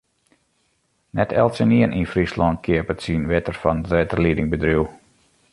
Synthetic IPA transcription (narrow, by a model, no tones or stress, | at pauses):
nɛtʰɛ̰lˠtsəniənʔinfrislɔnt̚kʰɪəpətsinʋɛtərfɔnrɛtərlidɪŋbədruw